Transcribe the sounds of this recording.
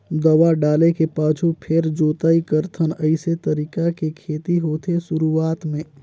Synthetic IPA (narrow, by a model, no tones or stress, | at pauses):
d̪əʋaɖaːlekepaːt͡ʃʰupʰeɾd͡ʒoːt̪aːikəɾt̪ʰənəɪset̪əɾiːkakekʰeːt̪iɦoːt̪ʰesʊɾuaːt̪mẽː